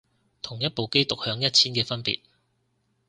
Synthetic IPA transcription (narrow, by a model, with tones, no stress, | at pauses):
t̪ʰʊ˨˩ŋjɐ˥t̚po˨˧wke˥jt̪ʊ˨k̚hœː˨˧ŋjɐ˥t̚t͡sʰiː˥nkɛː˧fɐ˥npḭː˨t̚